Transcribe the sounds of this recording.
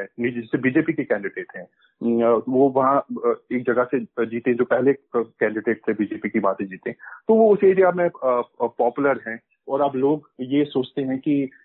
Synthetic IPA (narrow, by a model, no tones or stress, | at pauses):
ɦɛnid͡ʒɛsebiːd͡ʒeːpikikɛ̃ːɳɖɪɖeːʈɦɛ̃ː | ʋoʋɐɦãeːk̚d͡ʒɐɡəsed͡ʒiːt̪eɦɛ̃d͡ʒoːpɛɦlekɛ̃ːɳɖɪɖeːʈsebiːd͡ʒeːpikibaːt̪ẽd͡ʒiːt̪eɦɛ̃t̪oʋoʊseliamẽpɔːpʊləɾɦɛ̃ | ɔːɾaːploːɡjesoːt͡ʃt̪eɦɛ̃ki